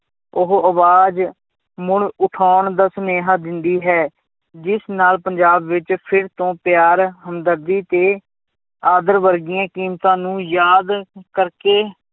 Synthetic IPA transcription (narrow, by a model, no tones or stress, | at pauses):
ʊɦəʋaːd͡ʒ | mʊɳʊʈʰaːɳd̪aːsəneːɦaːd̪ɪnd̪iːɦɛː | d͡ʒɪsnaːlpəɲd͡ʒaːbʋɪt͡ʃpʰɪɾt̪õːpɪjaːɾɦəmd̪əɾd̪iːt̪eː | aːd̪əɾʋəɾɡijãːkiːmt̪ãːnũːjaːd̪kəɾkeː